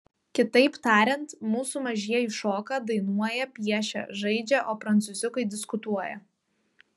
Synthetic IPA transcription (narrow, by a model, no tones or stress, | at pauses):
kʲɪt̪ɐɪpt̪ɑːɾʲɛnt̪muːsuːmɐʒʲiɛiːʃoːkɑːd̪ɐɪnuɔjɛpʲiɛʃʲɛ̰ʒɐɪd͡ʒʲɛʔoːpɾɐnt̪sʊzʲɪkɐɪd̪ʲɪskʊt̪uɔjɛ̰